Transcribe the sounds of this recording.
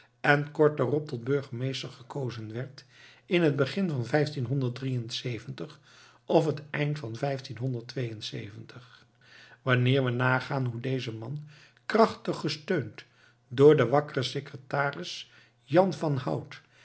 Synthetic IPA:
ɛnkɔɹt̚darɔp̚tɔd̚bɵɹχəmejstəɹχəkowzənʋɛɹtɪnɦəd̚bəχɪnvɑnvɛjftinɦɔndəɹt̚drijənsejvəntəχ | ʔɔfətɛjntfɑnvɛjftinɦɔndəɹtʋejənsḛjvəntəχ | ʋɑnɪːɹʋənaːχaːnɦudejzəmɑn | krɑχtəχːəstøɥnt | dʊːɹdəʋɑkərəsekrətaːrɪs | jɑnvɑnɦʌ̰wt

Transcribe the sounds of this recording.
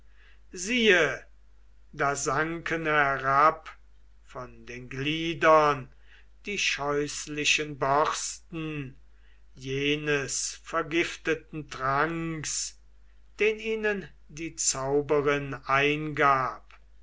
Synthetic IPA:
ziːə | daːzaŋkənhæɛʁap | fɔndeːnɡliːdɐn | d̥iːʃɔʏslɪʃənbɔʁstn̩ | jeːnəsfɛɐɡɪftətn̩tʁaŋks | d̥eːniːnən | diːt͡saʊbəʁɪnaɪnɡaːp

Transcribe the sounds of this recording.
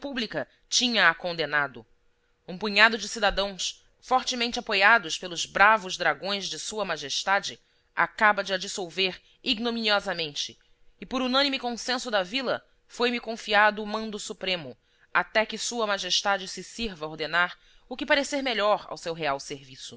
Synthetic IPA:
publikɐ | t͡ʃĩɲɐːkõnd̪enad̪ʊ | ũpuɲad̪ʊd͡ʒɪsid̪ad̪ɐ̃w̃s | fɔɾt͡ʃɪmẽnt͡ʃɪapojad̪ʊʃpelˠʊzbɾavʊzd̪ɾaɡõj̃zd͡ʒɪsuɐmaʒeʃt̪ad͡ʒɪ | a̰kabɐd͡ʒɪad͡ʒisowveɾ | iɡnominiɔzɐmẽnt͡ʃɪː | pʊɾunɐ̃nimɪkõsẽsʊd̪ɐvilɐ̰ | fojmɪkõfiad̪ʊːmɐ̃nd̪ʊsupɾẽmʊ | at̪ɛkɪsuɐmaʒeʃt̪ad͡ʒɪsɪsiɾvɐoɾd̪enaɾ | ʊkɪpaɾeseɾmeʎɔɾa̰wsewɦeawseɾvisʊ

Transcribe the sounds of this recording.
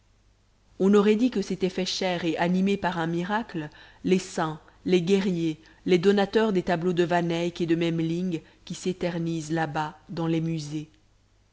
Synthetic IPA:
ɔ̃nɔʁɛd̪ikəset̪ɛfɛʃɛʁeʔanimepaʁɛ̃miʁaklə | lesɛ̃ | leɡʲɛʁje | led̪ɔnat̪œʁd̪et̪ablod̪əvanɛjked̪əmɛmliŋɡ | kʲiset̪ɛʁnizlabad̪ɑ̃lemyze

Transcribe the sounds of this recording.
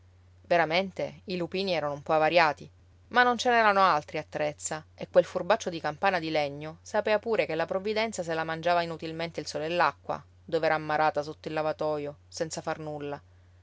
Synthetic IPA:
veɾament̪eilupiːniɛːɾanoumpɔavaɾjaːt̪i | manːont͡ʃenɛɾanoalt̪ɾiat̪ːɾet̪sːaekːwelfurbat͡ʃːod̪ikampaːnad̪ileɲːosapɛːvapuːɾekelːapɾovːid̪ɛnt̪sas̬elamand͡ʒaːvainut̪ilment̪eilsɔːleelːakːwa̰ | d̪oveɛːɾaːmːaɾaːt̪asot̪ːoilːavat̪ɔːjosɛnt̪safarnulːa

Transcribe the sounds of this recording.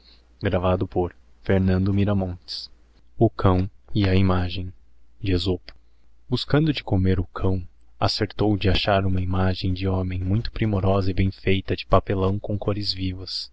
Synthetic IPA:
ɡɾavad̪ʊpoɾ | feɾnɐ̃nd̪ʊmiɾɐmõnt͡ʃɪ̥s | ʊkʰɐ̃w̃ɪɐimaʒẽj̃d͡ʒɪezopʊ̥ | buskɐ̃nd̪ʊd͡ʒɪkomeɾʊkʰɐ̃w̃ | a̰seɾt̪owd͡ʒɪaʃaɾũmɐimaʒẽj̃d͡ʒɪõmẽj̃mũj̃t̪ʊ̥pɾimoɾɔzɐɪbẽj̃fejt̪ɐd͡ʒɪpapelɐ̃w̃kõw̃koɾɪzvivɐs

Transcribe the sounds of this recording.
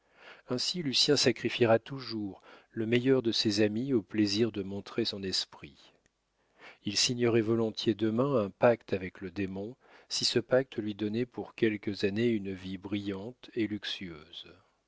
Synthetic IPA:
ɛ̃silysjɛ̃sakχifiʁat̪uʒuʁləmejœʁd̪əsezamiopleziʁd̪əmɔ̃t̪χesɔ̃nɛspχi | ilsiɲɔʁɛvɔlɔ̃t̪jed̪əmɛ̃ɛ̃pakt̪avɛkləd̪emɔ̃ | sisəpak̚t̪ʰəlɥid̪ɔnɛpuʁkʲɛlkəzaneynvibʁijɑ̃t̪elyksyøːz̥

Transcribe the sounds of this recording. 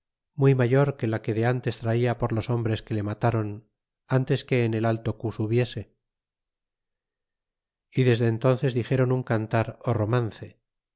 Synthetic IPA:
mujmaʝo̞ɾke̞lake̞ðe̞ant̪e̞st̪ɾaiapo̞ɾlo̞so̞mbɾe̞ske̞le̞mat̪aɾo̞n | ant̪e̞ske̞ːne̞lalt̪o̞kusuβje̞se̞ | iðe̞zðe̞ːnt̪o̞nθe̞zðixe̞ɾo̞nuŋkant̪aɾoro̞manθe̞

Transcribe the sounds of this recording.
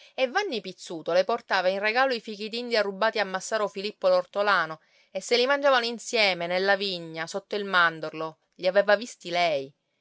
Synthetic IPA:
evːanːipit̪sːuːt̪oleport̪aːvainreɡaːloifik̟it̪ind̪iarːubːaːt̪iamːasːaːɾofilipːolort̪olaːno | esːelimand͡ʒaːvanoinsjɛːmenelːaviɲːasot̪ːoilmand̪orlo | ʎiavɛːvavist̪ilɛj

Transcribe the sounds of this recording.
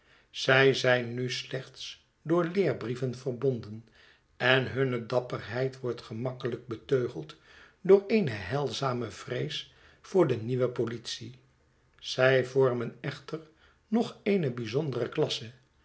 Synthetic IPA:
z̥ɛjzɛjnːyslɛχts | dʊːɹlɪːɹbrivənvərbɔndən | ɛnɦɵnədɑpərɦɛjtʋɔɹtχəmɑkələk̚bətøːχəlˠt | dʊːɹejnəɦɛlˠzaːməv̥rejs | fʊːɹdəniʋəpolitsi | z̥ɛjvɔɹmənɛχtər | nɔχejnəbizɔndərəklɑsə

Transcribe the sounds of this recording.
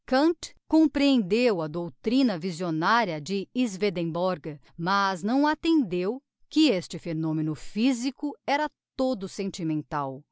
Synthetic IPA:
kɐ̃ntkõmpɾiẽnd̪ewɐd̪owt̪ɾĩnɐvizionaɾjɐd͡ʒɪizved̪ẽbɔɾɡ | mɐznɐ̃w̃at̪ẽnd̪ew | kɪest͡ʃɪfenõmẽnʊfizikʊɛɾɐt̪od̪ʊsẽnt͡ʃimẽnt̪aw

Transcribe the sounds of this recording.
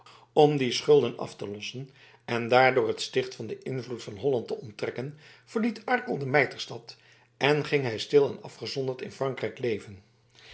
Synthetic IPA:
ɔmdisχɵlˠdənɑ̰ftəlɔsən | ʔɛndaːɹdʊːɹɦətstɪχtfɑndəʔɪnvlutfɑnɦɔlɑntəɔntrɛkən | v̥əɹlitʰɑɹkəlˠdəmɛjtəɹstɑt | ɛnχɪŋɦɛjstɪlˠɛnɑ̰fχəzɔndəɹtɪ̰nfrɑŋkrɛjklejvən

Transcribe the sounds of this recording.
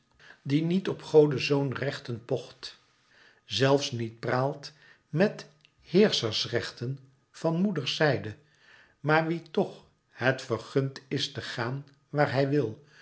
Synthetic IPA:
dinitɔpχowdəzownrɛχtənpɔχt | zɛlˠfsnit̚praːlˠt | mɛt | hɪːɹsəɹsrɛχtən | v̥ɑnmudəɹsɛjdə | maːɹʋitɔχ | hətfəɹχɵntɪstəχaːn | ʋaːɹɦɛjʋɪlˠ

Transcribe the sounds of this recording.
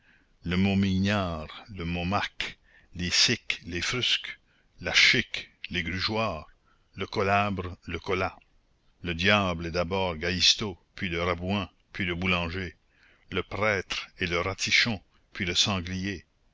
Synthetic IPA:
ləmomiɲaːʁləmomak | lesɪklefɾysk | laʃɪkleɡɾyʒwaːʁ | ləkɔlabɾləkɔla | ləd̪jaːblɛd̪abɔːʁɡaist̪opɥiləɾabwɛ̃ | pʰɥiləbulɑ̃ːʒe | ləpɾɛːt̪ɾeləɾat̪ʰiʃɔ̃ | pɥiləsɑ̃ɡlije

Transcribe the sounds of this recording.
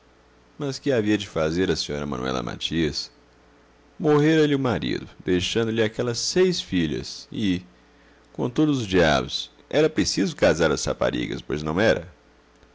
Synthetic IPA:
mɐskɪaviɐd͡ʒɪfazeɾɐsĩɲɔɾɐmɐ̃nuɛ̰lɐ̰mʔa̰t͡ʃiɐs | moɦeɾɐlɪʊmaɾḭd̪ʊd̪ejʃɐ̃nd̪ʊlɪakɛlɐsejsfiʎɐ̰sɪ | kõt̪od̪ʊzʊzd͡ʒia̰bʊs | ʔɛɾɐpɾesizʊkazaɾɐsa̰pa̰ɾḭɡɐ̰spojznɐ̃w̃ɛɾɐ̰

